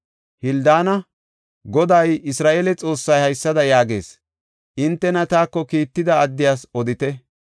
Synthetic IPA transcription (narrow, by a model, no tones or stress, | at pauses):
hɪld̪aːnɐ | ɡɔd̪ɐjɪsɾaːʔelɛt͡sʼo̞ːsːɐjhɐjsːɐd̪ɐjaːɡe̞ːs | ʔɪnt̪ːɛnɐt̪aːkːɔkiːt̪ːɪd̪ɐːd̪ːɪjaːsɔd̪ɪt̪ɛ